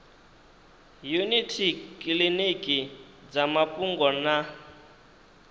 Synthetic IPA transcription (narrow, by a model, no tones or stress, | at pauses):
junitʰikʼilinikʼi | d͡zamapʼuŋɡɔna